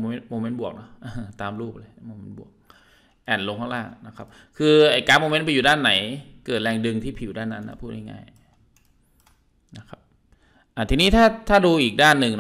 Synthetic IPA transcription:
me˦˥nmoː˧me˦˥nbu˨˩ək̚nɔ˦˥hʔaː˧˩˧t̪aː˧mɾuː˥˩p̚lɤː˧˩moː˧me˦˥nbu˨˩ək̚ | ʔɛː˨˩nlo˧ŋkʰɔ˥˩˧laː˥˩kna˦˥kʰa˦˥p̚ | kʰɯː˧ʔa˨˩jkaː˦˥p̚moː˧me˦˥npa˧juː˨˩daː˥˩nːa˩˦jkɤː˨˩t̪̚lɛː˧ŋdɯ˧ŋt̪ʰiː˥˩pʰi˨˩˦wdaː˥˩nːa˦˥nːa̰˦˥˩pʰuː˥˩t̪̚ha˧˩ŋa̰ː˥˩j | na˦˥kʰa˦˥p̚ | ʔa˧˩t̪ʰiː˧niː˦˥˩t̪ʰaː˥˩t̪ʰaː˥˩duː˧ʔiː˨˩k̚daː˥˩nːɯ˨˧ŋn˦

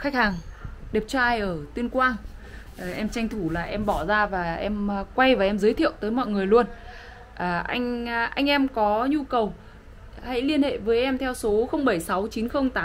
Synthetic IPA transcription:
xa˦˥k̚haː˨˩ŋɗe˨˩p̚t͡ɕɔ˧ʔaː˧jʔəː˧˩t̪i˧nkwaː˧n˨˩ | ʔɛ˧mt͡ɕa˧jŋ̟t̪ʰu˧˩laː˨˩ʔɛ˧mɓɔ˧˩zaː˧vaː˨˩ʔɛ˧mkwa˧jvaː˨˩ʔɛ˧mzəː˨˦jt̪ʰḭ˧˨əwt̪əː˨˦jmɔ̰˧˨jŋɨ˨˩əjlu˧ən | ʔːʔa˧jŋ̟ʔa˧jŋ̟ʔɛ˧mkɔ˨˦ɲu˧kə˨˩w | ha̰˧˥jli˧ənhḛ˧˨vəː˨˦jʔɛ˧mt̪ʰɛ˧wso˨˦xə˧wŋ͡mɓə˧˩jsa˨˦wt͡ɕi˨˦nxə˧wŋ͡mt̪aː˨˦m

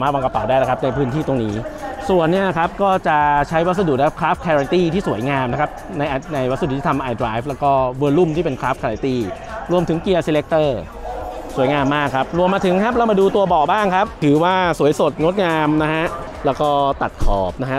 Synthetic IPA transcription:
maː˥˩wa˧ka˧pa˨˩wdaː˥˩jna˦˥kʰa˦˥p̚na˧jpʰɯː˦˥nt̪ʰiː˥˩t̪o˧ŋniː˦˥su˨˩ənːi˥˩na˦˧kʰa˦˥p̚kɔː˥˩t͡ɕa˨˩t͡ɕʰa˦˥jwa˦˥t̪̚sa˧du˨˩naː˦˥kʰa˥˩kʰɾaː˦˥fkʰːɛː˧a˧nt̪iː˥˩t̪ʰiː˥˩su˩˦əjŋaː˧mna˦˥kʰa˦˥p̚na˧jʔa˧na˧jwa˥t̪̚sa˧˨˩t̪ʰiː˥˩a˧mʔa˧jdɾaː˦˥jflɛː˦˥wkɔː˥˩wɤː˧lu˥˩mt̪ʰiː˥˩pe˧nkʰɾaː˦˥f̚kʰːɛ˧a˧t̪iː˥˩ | ɾu˧əmt̪ʰɯ˨˩˦ŋki˧ə˧si˧le˦˥k̚t̪ɤː˥˩ | su˩˦jŋaː˧mːaː˥˩kʰːa˦˥p̚ɾu˧əmːaː˧t̪ʰɯ˩˦ŋkʰa˦˥p̚lɛ˦˥wmaː˧duː˧t̪u˧ɐbɔː˨˩k̚baː˥˩ŋkʰa˦˥p̚t̪ʰɯː˩˦waː˥˩su˩˦jso˨˩t̪̚ŋo˦˥t̪̚ŋaː˧mna˦˥kʰa˦˥ʔ | lɛː˦˥wkɔː˥˩t̪a˨˩t̪̚kʰɔː˨˩p̚na˦˥kʰa˦˥

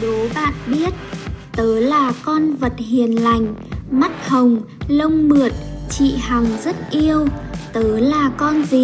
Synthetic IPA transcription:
ɗo˨˦ɓa̰ː˧˨n̚ɓi˦˥ət̚t̪əː˨˦laː˨˩kɔ˧nvə˨˩t̚hi˨˩ənla˨˩jŋ̟ma˦˥t̚hə˨˩wŋ͡m | lə˧wŋ͡mmɨ˨˩ət̚t͡ɕḭ˧˨ha˨˩ŋzə˦˥t̚ʔi˧əwt̪əː˨˦laː˨˩kɔ˧nzi˨˩

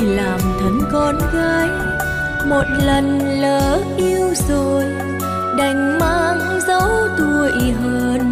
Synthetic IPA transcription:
laː˨˩mt̪ʰə˨˦nkɔ˧nɣaː˧j | mo˨˩t̚lə˨˩n | ləː˨˦ʔi˧əwzo˨˩j | ɗa˨˩jŋ̟maː˧ŋ | zə̰˧˥wt̪u˧˩əjɦəː˧n

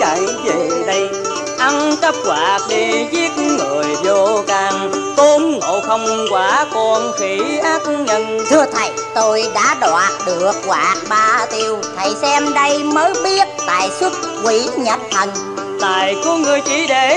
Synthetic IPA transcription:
a̰˨˩jve˨˩ɗə˧j | ʔa˧nt͡ɕə˦˥p̚ɣwaː˨˩k̚ɗi˧zi˦˥ət̚ŋɨ˨˩əjzo˧kaː˧˩ŋt̪o˨˦nŋo̰˧˨xə˧wŋ͡mkwaː˨˧˦kɔ˧˩nxi˨˦ʔaː˦˥t̚ɲə˧nt̪ʰɨ˧ət̪ʰə˨˩jt̪o˧jɗa̰ː˧˥ɗwaː˨˩t̚ɗɨ˨˩ək̚ɣwaː˨˩t̚ɓaː˧t̪i˧əwt̪ʰə˨˩jsɛ˧mɗə˧jməː˨˦jɓi˦˥ət̚t̪a̰ː˧˨jswə˦˥t̚kwi˧˩˦ɲə˨˩t̚t̪ʰə˨˩n | t̪aː˨jku˨˦ŋɨ˨˩əjt͡ɕi˧˦ɗe˨˩˦

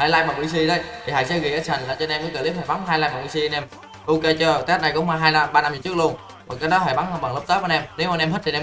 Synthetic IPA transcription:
haː˧˩laː˧jma˨˩wi˧si˧ɗə˨˦jt̪ʰi˨˩ɦa̰ː˧˩jsɛ̰˧˥ɣi˨˩ʔəː˨˦˥sa˨˩ŋʔə̰ː˧˩t͡ɕɔ˧nʔɛ˧mkə˨˦kəː˧li˦˥p̚haː˨˩jɓa˨˦nɦaː˧jlaː˧jma˨˩wi˧si˧ə˧nʔɛ˧m | ʔo˧ke˧t͡ɕɔ˧˩t̪a˦˥t̚na˨˩jkɔ˨˦hwaː˧˩ɦaː˧jna˧ɓaː˧na˧mzɨ˨˩t͡ɕɨ˦˥ək̚lu˧ən | ka˨˩kaː˦jɗɔ˨˦ɦaː˧˩jɓa˨˦nhə˧ɓa̰˨˩ŋlə˦˥p̚t̪əː˨˦˥aː˨˧˦nɛ˧mne˨˦wmaː˨nɛ˧mɦə˦˥t̚ʰi˨˩nɛ˧

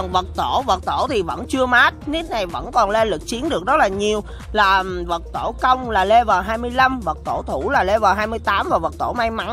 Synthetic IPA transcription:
nvə˨˩t̚t̪o˧˩və˨˩t̚t̪o˧˩t̪ʰi˨˩və̰˧˥nt͡ɕɨ˧əmaː˦˥t̚ni˦˥t̚na˨˩jvə̰˧˥nkɔ˨˩nle˧lɨ˨˩k̚t͡ɕi˨˦ənɗɨ˨˩ək̚zɔ˦˥laː˨˩ɲi˨˩əw | laː˨˩˨və˨˩t̚t̪o˧˩kə˧wŋ͡mlaː˨˩le˧vəː˨˩ɦaː˧jmɨ˧əjla˧mvə˨˩t̚t̪o˧˩t̪ʰu˧˩laː˨˩le˧vəː˨˩ɦaː˧jmɨ˧jt̪aː˨˦mvaː˨˩və˨˩t̚t̪o˧˩ma˧jma˧˦n

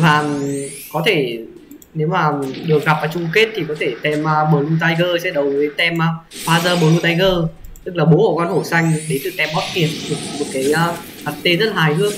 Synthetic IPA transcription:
vaː˨˩˨kɔ˨˦t̪ʰe˧˩ | ne˨˦wmaː˨˩ɗɨ˨˩ək̚ɣa˨˩p̚ʔaː˨˩t͡ɕʊ˧ŋ͡mke˦˥t̚t̪ʰi˨˩kɔ˨˦t̪ʰe˧˩t̪ɛ˧mə˧ɓəː˨˩lu˧t̪̬aː˧jɣəː˧sɛ̰˧˥ɗə˨˩wvə˨˦jt̪ɛ˧mʔə˧faː˧zəː˧ɓə˨˩lu˧t̪aː˧jɣəː˧ | t̪ɨ˦˥k̚laː˨˩ɓo˨˦ho˧˨˩kɔ˧nho˧˩sa˧jŋ̟ɗe˨˦t̪ɨ˨˩t̪ɛ˧mɓɔ˦˥t̚ki˨˩ət̚ɗɨ˨˩˨mo˨˩t̚kaː˨˦jəː˧ | ha˨˩t̚t̪e˧zə˦˥t̚la˨aː˨˩jhɨ˧əŋ

